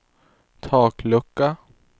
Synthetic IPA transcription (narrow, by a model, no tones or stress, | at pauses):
t̪ʰɑːklɵkːa